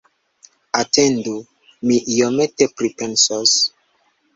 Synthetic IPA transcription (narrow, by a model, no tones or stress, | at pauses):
atʰɛ̃ndu | miʔijɔmetepɾipɛnsɔs